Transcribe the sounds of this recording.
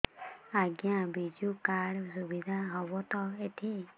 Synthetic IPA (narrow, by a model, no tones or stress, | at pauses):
aɡjãbid͡ʒukaɽsubid̪ʱaɦɔbɔt̪ɔet̪ʰi